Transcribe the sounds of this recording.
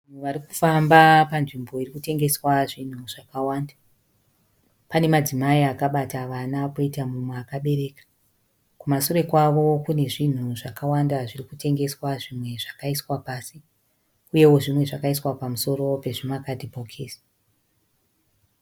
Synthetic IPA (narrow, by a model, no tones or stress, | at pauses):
ʋanuʋaɾikufambapanʐimbo̞irikute̞ŋɡe̞swaʐin̤uʐ̥akawaːnda | pane̞mad͡zimaiakaɓataʋanako̞itamumweakaɓe̞ɾe̞ːkḁ | kumasuɾe̞kwaʋo̞kune̞ʐin̤uʐakawandaʐirikute̞ŋɡe̞swaʐimwe̞ʐakaiswapaːsi | uje̞wo̞ʐimwe̞ʐakaiswapamuso̞ɾo̞pe̞ʐimakatipokʰeːsḁ